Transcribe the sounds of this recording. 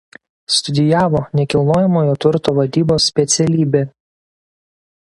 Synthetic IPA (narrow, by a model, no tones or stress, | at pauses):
st̪ʊd̪ʲɪjæːʋoːnʲɛkʲɪlˠnoːjɛmoːjoːt̪ʲʊɾt̪oːʋɐd̪ʲiːboːsʲːpʲɛt̪sʲɛlʲiːbʲeː